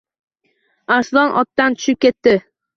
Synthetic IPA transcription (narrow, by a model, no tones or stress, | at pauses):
aɾslˠɒnʔɒt̪ːant̪ʰʊ̥ʃɪp̚kʲe̞t̪ːɪ